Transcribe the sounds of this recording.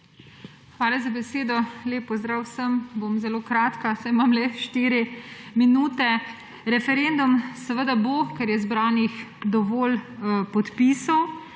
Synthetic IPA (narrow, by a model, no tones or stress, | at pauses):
xʋaːlazabɛseːd̪ɔleːpːɔzd̪ɾaːwsəmbomzɛloːkɾaːt̪kasajmamlɛʃt̪iɾiminuːt̪ɛ | ɾɛfɛɾeːnd̪umsɛʋəd̪abokɛɾjɛzbɾaːnixd̪ɔʋɔːlpɔt̪piːsaw